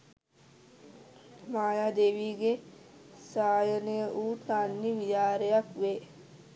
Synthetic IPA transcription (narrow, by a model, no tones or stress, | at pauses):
maːjaːd̪eːʋiːɡe | saːjənəjəʔuːt̪anːiʋijaːɾejakʋe